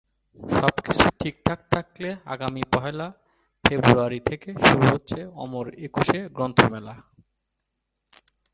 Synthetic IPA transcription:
ʃɔbki̥t͡ɕʰuʈʰik̚t̪ʰak̚t̪ʰaklea̰ɡamipɔɦela | febɾuaɾit̪ʰekeʃuɾuɦotːɕʰeɔ̰moɾekuʃeɡɾont̪ʰomɛla

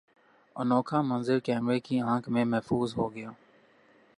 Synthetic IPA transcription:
ə̰noːkʰãːmənzɪɾkɛːmɾeːkiãːkʰmẽmɛɦfuːzɦoːɡɪjaː

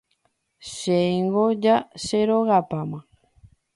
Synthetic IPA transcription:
ʃeiŋɡod͡ʒaʃeɾoɣapamã

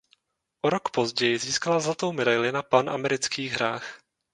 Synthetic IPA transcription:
ʔoɾo̞kpo̞zɟɛjɪziːskalazlat̪o̞wmɛdajlɪnapanʔa̰mɛɾɪt͡skiːɣɦɾaːx

